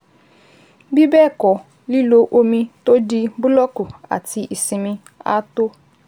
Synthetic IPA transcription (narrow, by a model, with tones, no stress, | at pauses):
bi˦bɛ˦˨kɔ˨ | li˦lo˦ʔo˦mĩ˦to˦di˦bu˦lɔ˦ku˨a̰˨ti˨ʔi˨si˨mĩ˦ | a̰˦to˦